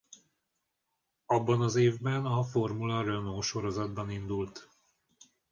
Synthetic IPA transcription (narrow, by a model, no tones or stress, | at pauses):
ɒbːɒnɒzeːvbɛnɒfo̞rmulɒrønoːʃo̞ɾo̞zɒd̪bɒnind̪ult̪